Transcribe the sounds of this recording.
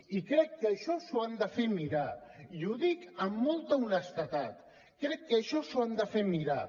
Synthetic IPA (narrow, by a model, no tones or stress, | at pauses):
ikɾɛkːəʃɔsuand̪əfeɾmiɾaiuðikəmːɔlˠt̪əunəst̪ət̪at̪ | kɾɛkːəʃɔsuand̪əfeɾmiɾa